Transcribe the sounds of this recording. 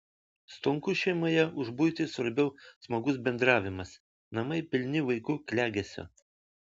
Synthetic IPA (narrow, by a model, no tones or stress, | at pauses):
st̪ʊŋkʊʃʲɛɪmoːjɛʊʒbʊjt̪ʲɪsʋɐɾʲbʲɛʊsmoːɡʊs̬bʲɛnd̪ɾɑːʋʲɪmɐs | nɐmɐɪpʲɪlʲnʲɪʋɐɪkʊklʲæːɡʲɛsʲo̰